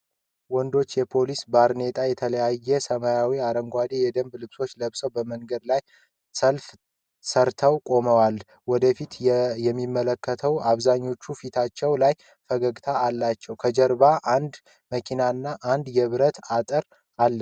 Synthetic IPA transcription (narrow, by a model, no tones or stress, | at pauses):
wɔnd̪o̞t͡ʃːjɛpʰo̞lisbaɾne̞t̪ʼajɛt̪ʰələjajːɛsəmajawiaɾəŋɡʷad̪ejɛd̪əmblɨkso̞t͡ʃːləβsəwbəməŋɡəd̪laj | səlf | səɾt̪ʰəwkʼo̞məwal | wɔd̪əfit̪jɛmːimːələkːət̪ʰəwaβzaɲːo̞t͡ʃːufit̪ʰat͡ʃːɛwlaj | fəɡəɡt̪ʰaːlːat͡ʃːɛwkʰəd͡ʒəɾbaʔand̪ | məkʰinanːaʔand̪jɛβɨɾət̪at̪ʼəɾ | alːə